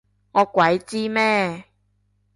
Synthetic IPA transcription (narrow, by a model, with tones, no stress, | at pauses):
ŋɔː˨˧kʷwɐ˨˦jt͡siː˥mɛː˥